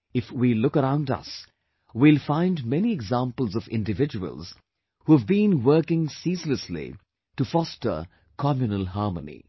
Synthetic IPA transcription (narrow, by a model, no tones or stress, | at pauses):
ɪfwilʊkəɾãʊ̃ndʌ̰s | wilˠfãɪ̃ndmɛniɛɡzãmpəl̩ˠzʌvɪ̰̃ndɨvɪd͡ʒəwə̰lˠz̥ | huəvbĩnwə˞kɪ̃ŋsiːsləslḭ | tufɔstə̰˞ | kʰɑmjunəlˠɦɑːɹmənḭ